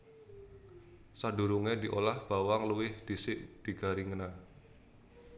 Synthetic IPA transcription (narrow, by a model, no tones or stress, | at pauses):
sadṳɾuŋedi̤ʔolahb̥a̤waŋluwɪhd̪̥isɪʔd̪̥i̤ɡ̥a̤ɾiŋəna